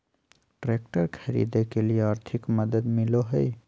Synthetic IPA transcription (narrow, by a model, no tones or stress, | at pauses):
ʈɾeːkʈəɾkʰɐɾḭːd̪ekelieaːɾt̪ʰɪkmɐd̪əd̪mɪloɦɛi